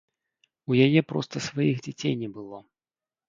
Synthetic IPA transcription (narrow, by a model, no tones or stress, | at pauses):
ujajɛpɾɔ̰st̪ɐsvajixd͡zʲat͡sʲejnʲɛbɨlˠɔ